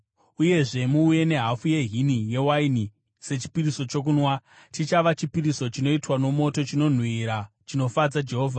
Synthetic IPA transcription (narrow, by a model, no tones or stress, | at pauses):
uje̞ʐe̞muːje̞ne̞ɦafuje̞ɦinije̞waini | se̞t͡ʃi̥piɾiso̞t͡ʃo̞k̬unwa | tit͡ʃaʋat͡ʃipiɾiso̞t͡ʃino̞itwano̞mo̞to̞t͡ʃino̞n̤wiɾa | t͡ʃino̞fad͡zad͡ʒe̞ɦoːvʱa